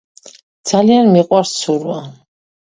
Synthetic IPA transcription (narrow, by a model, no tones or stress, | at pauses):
d̪z̥alianmiqʼwaɾssuɾwa